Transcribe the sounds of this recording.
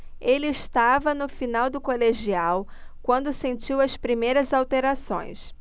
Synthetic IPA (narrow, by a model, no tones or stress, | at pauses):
elɪːʃt̪avɐnʊfinawd̪ʊkoleʒiawkwɐ̃nd̪ʊsẽnt͡ʃiwɐspɾimejɾɐzawt̪eɾasõ̰j̃s